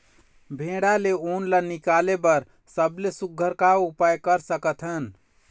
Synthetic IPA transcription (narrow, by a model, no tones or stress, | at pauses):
bʱẽɽaleonlanikalebəɾ | səblesuɡʱəɾkaupajkəɾsəkət̪ʰɦən